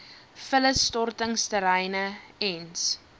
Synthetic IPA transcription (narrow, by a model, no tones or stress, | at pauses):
fələstɔrtəŋstəɾɛjnəɛns